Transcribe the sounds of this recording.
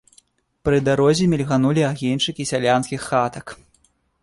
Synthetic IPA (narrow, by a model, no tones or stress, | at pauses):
pɾɨd̪aɾɔzʲimʲilʲɣanulʲiaɣʲint͡ʂɨkʲisʲalʲanskʲixːat̪ɐk